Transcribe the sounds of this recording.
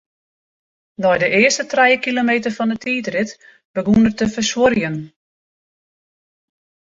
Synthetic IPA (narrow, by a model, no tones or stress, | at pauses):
nɔjdəʔɪəstətrɛjəkilomeːtərfɔndətʰiːtrɪt | b̥əɡunərtəfəsworjən